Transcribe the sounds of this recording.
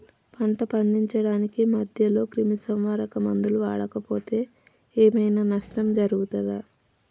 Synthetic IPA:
pʰɐɳʈɐpɐɳɖiɲt͡ʃɐɽaːnikimɐd̪ʱjɐlo̞ːkɾimisɐmʋaːɾɐkɐmɐnd̪uluʋaːɽɐkɐpo̞ːt̪e̞ː | eːmɐjnaːnɐʂʈɐmd͡ʒɐɾuɡut̪ɐd̪a

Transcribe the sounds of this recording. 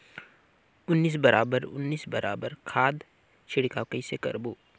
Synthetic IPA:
ʊnːiːs̬bəɾaːbəɾʊ̰nːiːsbɐɾʔa̰ːbəɾkʰaːd̪ | t͡ʃʰɪɽkaːkəisekɐ̰ɾboː

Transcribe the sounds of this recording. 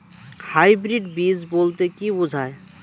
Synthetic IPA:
haːibɾiɖbiːzboːlt̪ekibʊd͡ʒʱaːe

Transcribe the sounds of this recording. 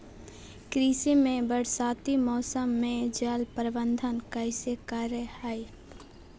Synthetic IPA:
kɾiːsimẽbəɽ̤saːt̪imɔːsəmːẽd͡ʒəlpəɾbə̃nd̪ʱənkaɪsekaːɾjəhaːi

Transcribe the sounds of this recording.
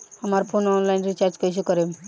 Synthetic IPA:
amaɾpʰonɔnlajnɾit͡ʃaɾd͡ʒkojsʰukɔɾem

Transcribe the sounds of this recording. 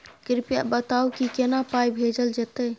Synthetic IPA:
kɾɪpja̰bət̪aukikenapajbʱed͡ʒəld͡ʒet̪ə

